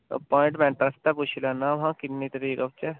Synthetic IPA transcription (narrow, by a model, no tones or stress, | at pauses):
ə̰pɔːɪ̃ɳʈmɛ̃ːɳʈəst̪ɛːpʊt͡ʃʰlɛːnːãːʋɦãːkɪnnːiːt̪əɾiːkat͡ʃɛː